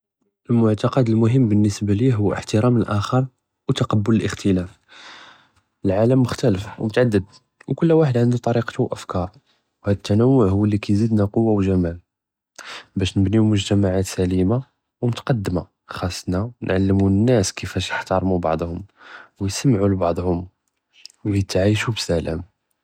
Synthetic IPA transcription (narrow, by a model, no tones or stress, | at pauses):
ʔəlmʊʕt̪ɑqɑd̪əlmʊɦəmːbənːəsbæliɦʊwːʔə̰ħt̪əɾæməlʔæxəɾˤ | wt̪ɑqɑbːʊləlʔəxt̪ʰəlæf | əlʕaləmːʊxt̪æləfwmʊt̪ʕad̪ːəd̪̚ | wkʊlːwaħəd̪ʕənd̪ut̪ˤɑɾiqt̪uwʔəfkɑɾˤ | whæd̪ət̪ʰːænəwːʊʕhʊwːəlːikæjzid̪næqowːawʒæmæl | bæʃnəbniwmʊʒt̪æmaʕat̪sælima | wmʊt̪qɑd̪ːəma | xɑsˤːnanʕalːəmunːæskəfæʃjəħt̪ɑɾˤmubɑ̰ʕd̪ˤhʊmwjsəmʕulbɑʕd̪ˤhʊm | wjt̪ʕiʃubsælə̰m